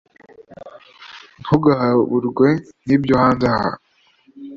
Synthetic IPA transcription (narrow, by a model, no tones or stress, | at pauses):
nhuɡahaβuɾɡwe̞nibjohaːnzaha̰